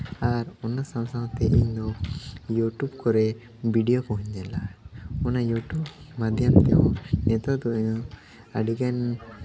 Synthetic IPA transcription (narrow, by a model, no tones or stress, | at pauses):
aɾɔnasãmsaɦt̪ɛʔiɲd̪ɔjuʈubkɔɾɛ | biɖijɔkɔ̃ɦuɲd͡ʒ̪ɛlaɔnajuʈubmad̪ʱjamt̪ɛjɔnɛt̪ɔd̪ɔɲɔ | aɖiɡan